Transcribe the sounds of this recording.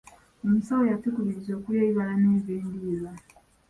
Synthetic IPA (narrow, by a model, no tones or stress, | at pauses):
omusawojatukuβiɾizo̞ːkuljeːiβalaneːveːndiːza